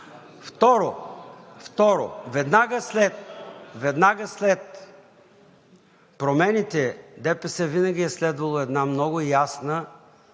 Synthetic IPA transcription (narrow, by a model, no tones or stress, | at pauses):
ft̪ɔɾo | ft̪ɔɾo̰vɛd̪naɡəslɛt̪̚vɛd̪naɡəslɛt̪̚ | pɾomɛnit̪ɛd̪ɛpɛsɛvinəɡʲiɛslɛd̪vɐlˠoɛd̪namnɔɡʊjasnə